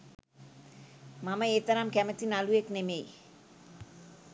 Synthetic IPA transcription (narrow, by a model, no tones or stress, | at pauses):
mɐmɐeːt̪ɐɾaːmkɛmɐt̪inalujeknemej